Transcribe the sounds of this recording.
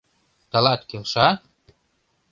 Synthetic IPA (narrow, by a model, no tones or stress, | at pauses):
t̪ɤ̆lɑt̪kelʃɑt̪̚